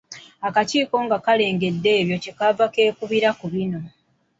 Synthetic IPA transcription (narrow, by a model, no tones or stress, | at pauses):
akaciːko̞ŋɡakale̞ːŋɡe̞dːe̞ːβjo̞ce̞kavake̞ːkuβiɾakuβino̞